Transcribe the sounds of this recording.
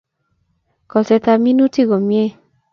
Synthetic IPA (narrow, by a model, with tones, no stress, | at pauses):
kɔ˨sɛ˧ta˧mĩ˦nũ˦ti˦˨ɡɔ˨mĩ˦ɛ˦